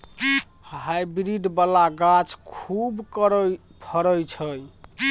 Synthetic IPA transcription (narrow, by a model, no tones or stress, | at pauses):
ɦajbɾiɖbalaɡat͡ʃʰkʰubkɾ | pʰəɾəjt͡ʃʰəj